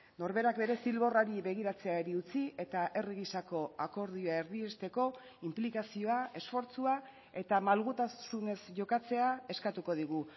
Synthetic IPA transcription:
no̞ɾβe̞ɾakbe̞ɾe̞silβo̞raɾiβe̞ɣ̞iɾat͡se̞aeɾiut͡siʔe̞t̪aʔe̞riɣisako̞ako̞ɾðioae̞ɾðie̞st̪e̞ko̞ | implikasio̞ae̞sfo̞ɾt͡sua | e̞t̪amalɣut̪asune̞sʝo̞kat͡se̞ae̞skat̪uko̞ð̞iɣu

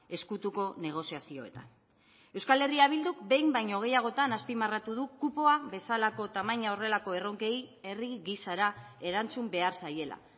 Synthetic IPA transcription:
e̞skut̪uko̞ne̞ɣ̞o̞siasio̞̰e̞t̪a̰n | e̞wskale̞riaβ̞ild̪ukbe̞jmbajɲo̞ɣ̞e̞jaɣ̞o̞t̪anaspimarat̪uðukupo̞aβe̞salako̞t̪amaɲao̞re̞lako̞e̞ro̞ŋke̞je̞riɣisaɾae̞ɾant͡sumbe̞aɾsaje̞la̰

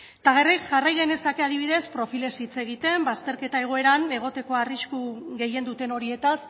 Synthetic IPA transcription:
t̪aɣ̞e̞rikʝarajɣe̞ne̞sake̞að̞iβ̞iðe̞spɾo̞file̞sit͡se̞ɣit̪e̞mbast̪e̞ɾke̞t̪ae̞ɣ̞o̞e̞ɾane̞ɣ̞o̞t̪e̞ko̞ariskuɣe̞je̞nd̪ut̪e̞no̞ɾie̞t̪as

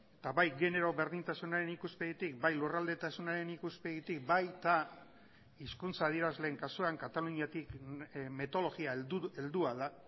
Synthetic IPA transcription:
t̪aβajɣe̞ne̞ɾo̞βe̞ɾðint̪asunaɾe̞nikuspeðit̪ik̚bajlurald̪e̞t̪asunaɾe̞nikuspe̞ɣit̪ik̚bajt̪a | iskunt͡saːðie̞ɾazle̞ːŋkasuaŋkat̪aluɲiat̪ikmet̪o̞lo̞ɣiae̞ld̪uaða

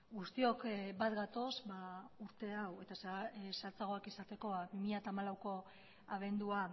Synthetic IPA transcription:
ɡust̪io̞kbat̪ɡat̪o̞zbauɾt̪e̞awe̞t̪assalt͡saɣ̞o̞akisat̪e̞ko̞bimiʎat̪aːmalawko̞ | aβ̞e̞nd̪ua

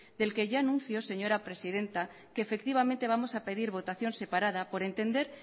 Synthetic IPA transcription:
d̪e̞lke̞ʝaanũnθjo̞se̞ɲo̞ɾapɾe̞sið̞e̞nt̪a | keːfe̞k̚t̪iβ̞amẽnt̪e̞β̞amo̞sape̞ðiɾβo̞t̪aθjo̞nse̞paɾað̞apo̞ɾe̞nt̪e̞nd̪e̞ɾ

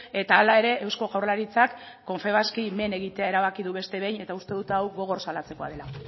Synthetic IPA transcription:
e̞t̪aːlae̞ɾe̞ʔewsko̞ɣawrlaɾit͡sakː | o̞ɱfe̞β̞askime̞ne̞ɣit̪e̞aeɾaβakiðuβe̞st̪eβejne̞t̪aust̪e̞ðut̪awɣo̞ɣ̞o̞rsalat͡se̞ko̞a̰ð̞e̞la

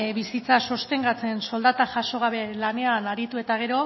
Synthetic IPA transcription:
βisit͡saso̞st̪e̞ŋɡat͡se̞nso̞ld̪at̪aʝaso̞ɣ̞aβe̞lane̞anaɾit̪ue̞t̪aɣ̞e̞ɾo̞

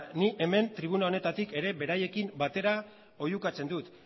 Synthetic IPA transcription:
niʔe̞me̞nt̪ɾiβ̞unao̞ne̞t̪at̪ike̞ɾe̞βe̞ɾaje̞kimbat̪e̞ɾa | o̞jukat͡se̞nd̪ut̪

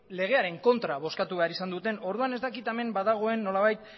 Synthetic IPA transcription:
le̞ɣ̞e̞aɾe̞ŋko̞nt̪ɾaβo̞skat̪uβe̞aɾisand̪ut̪e̞no̞ɾðuane̞zt̪akit̪eme̞mbaðaɣ̞o̞e̞nːo̞laβajt̪

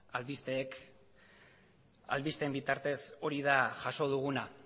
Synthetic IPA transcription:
alβist̪eːk | a̰lβist̪embit̪aɾt̪e̞so̞ɾiðaʝaso̞ð̞uɣ̞una

